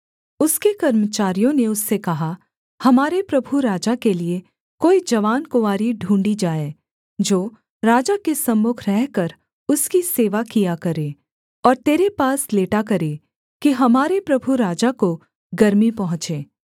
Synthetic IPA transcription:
ʊskekɐɾmət͡ʃaːɾijõneʊsːekɐɦa | hɐmaːɾepɾɐbʱuɾaːd͡ʒakelie | koːid͡ʒɐʋaːnkʊʋaːɾiɖʱũːɳɖid͡ʒaːeː | d͡ʒoː | ɾaːd͡ʒakesɐmːʊkʰɾɛɦkɐɾ | ʊskiseːʋakijakɐɾeː | ɔːɾt̪eːɾepaːsleːʈakɐɾeː | kiɦɐmaːɾepɾɐbʱuɾaːd͡ʒako | ɡɐɾmipɐɦʊ̃t͡ʃeː

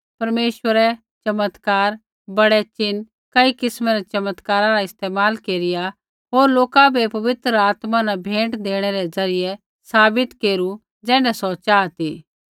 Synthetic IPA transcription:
pɐɾmeːʃʋəɾɛ | t͡ʃɐmət̪kaːɾ | bɐɽɛt͡ʃɪn | kɐikɪsmɛɾɛt͡ʃɐmət̪kaːɾãɾaɪst̪eːmaːlkeːɾɪja | ɦoːɾloːkabʱepɐʋɪt̪ɾəaːt̪mãnabʱẽːɳʈd̪eːɽ̃ɛɾɛzɐɾɪjɛ | saːbɪt̪keːɾu | d͡ʒɛːnɛsɔt͡ʃaːt̪iː

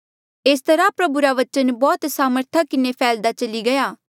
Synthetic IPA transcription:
eːst̪ɐɾapɾɐbuɾaʋɐt͡ʃənbɔːt̪saːməɾt̪ʰakɪnepʰɛːld̪at͡ʃɐliɡɐjaː

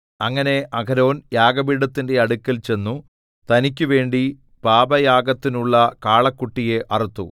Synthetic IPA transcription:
ɐŋːɐne̞ʔɐɡɐɾo̞ːnjaːɡɐbiɽɐt̪ːinde̞ɐɽukʲːɐlt͡ɕe̞nːu | t̪ɐnik̬ʲːuʋe̞ːɳɖi | paːbɐjaːɡɐt̪ːinuɭːɐkaːɭɐkːuʈːije̞ʔɐrit̪ːṵ

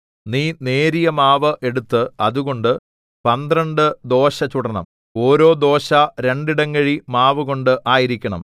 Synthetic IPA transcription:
niːne̞ːɾijɐmaːʋɐʔe̞ɽut̪ːɨɐ̰ðuɣo̞ɳɖɨ | pɐnd̪rɐɳɖɨd̪o̞ːɕɐt͡ɕuɽɐnɐ̰m | o̞ːɾo̞ːd̪o̞ːɕɐɾe̞ɳɖiɽɐŋɡɐɻimaːʋɨɣo̞ɳɖɨʔaːjiɾikʲːɐɳɐ̰m

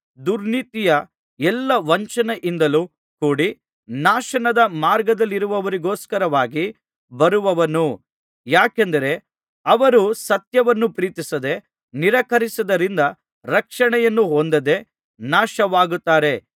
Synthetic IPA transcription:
d̪uɾnit̪ijɐ | ɛlːɐʋɐɲt͡ʃɐnɐʔind̪ɐlu | kuːɽi | naːʃɐnɐd̪ɐmaːɾɡɐd̪ɐlːiɾuʋɐʋɐɾiɡoːskɐɾɐʋaːɡi | bɐɾuʋɐʋɐnu | jaːkend̪ɐɾe̞ | ɐʋɐɾusɐt̪jɐʋɐnːupɾiːt̪isɐd̪e̞ | niɾɐkɐɾisɐd̪ɐɾind̪ɐ | ɾɐkʂɐɳɛjɐnːuɦond̪ɐd̪e̞ | naːʃɐʋaːɡut̪ːaːɾe̞

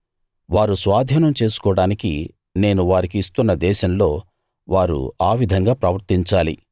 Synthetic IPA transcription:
ʋaːɾusʋaːd̪ʱɐnɐmt͡ʃe̞ːsu̥kɔːɽaːnikḭ | ne̞ːnuʋaːɾikiːst̪unːɐd̪ɛːʃɐmlo̞ː | ʋaːɾṵaːʋid̪ʱɐŋɡaːpɾɐʋɐɾt̪iɲt͡ʃaːlḭ

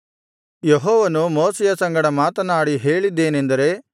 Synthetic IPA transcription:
jeɦɔːʋɐnumoːsɛjɐsɐŋɡɐɽɐmaːt̪ɐnaːɽiɦe̞ːɭid̪ːe̞ːnend̪ɐɾe̞

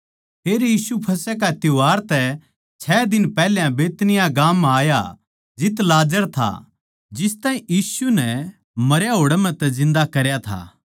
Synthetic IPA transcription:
pʰeːɾjiːsupʰɐsɛk̬aɪt̪ɪʋaːɾt̪ɛ | t͡ʃʰɛːd̪ɪnpɛːljãbeːt̪nɪjaɡaːmaːja | d͡ʒɪt̪laːd͡ʒəɾt̪ʰa̰ | d͡ʒɪst̪aːĩjiːsunɛ | mɐɾjaɦoːɽɛmɛ̃t̪ɛzɪ̃nd̪akɐɾjat̪ʰa̰ː

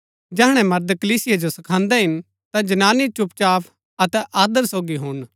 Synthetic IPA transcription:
d͡ʒɛːɦɽ̃ɛ̃mɐɾd̪kɐliːsɪjad͡ʒosɐkʰãːnd̪ɛɦɪn | t̪ad͡ʒɐnaːnit͡ʃʊpt͡ʃaːpʰ | ɐt̪ɛʔaːd̪əɾsoːɡiɦʊn

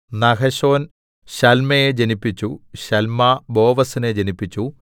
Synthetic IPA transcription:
nɐkɐɕo̞ːn | ɕɐlmɐjed͡ʑenipːit͡ɕːuɕɐlmɐbo̞ːʋɐsined͡ʑenipːit͡ɕːu

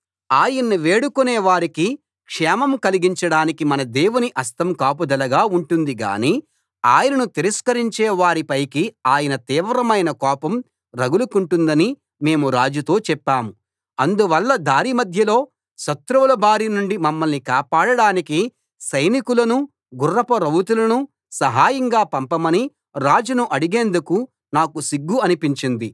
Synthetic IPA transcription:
aːjɐnːiʋeːɽukuneːʋaːɾiki | kʂɛːmɐmkɐliɡiɲt͡ʃɐɽaːnikimɐnɐd̪eːwuniʔɐst̪ɐmkaːp̬ud̪ɐlɐɡaːuɳʈund̪iɡa̰ːniː | aːjɐnɐnut̪iɾɐskɐɾiɲt͡ʃeːʋaːɾipɐjkiaːjɐnɐt̪iːʋɾɐmɐjnɐkɔːpɐm | ɾɐɡulukuɳʈund̪ɐni | me̞ːmuɾaːd͡ʒut̪o̞ːt͡ʃɛpːaːmu | ɐnd̪uʋɐlːɐd̪ʱaːɾimɐd̪ʱjɐlo̞ː | ʃɐt̪ɾuʋɐlɐbʱaːɾinuɳɖimɐmːɐlnikaːpaːɽɐɽaːniki | sɐjnikulɐnu | ɡurːɐpɐɾɐwut̪̬ulɐnu | sɐɦaːjɐŋɡaːpɐmpɐmɐni | ɾaːd͡ʒunuʔɐɽiɡeːnd̪uku | naːkusiɡːuɐnipiɲt͡ʃind̪i

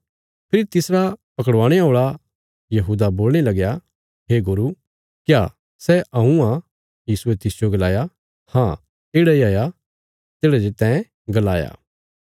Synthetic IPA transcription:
pʰɪɾit̪ɪsɾapɐkəɽʋãːɽ̃ɛɦoːɭa | jɐɦuːd̪aboːlnelɐɡja | ɦeːɡʊɾu | kja | sɛʔɐɦũã | jiːsuet̪ɪsjoɡɐlaːja | hãː | eːɽaiaːja | t̪eːɽad͡ʒet̪ɛ̃ːẽ | ɡɐla̰ːja̰ː

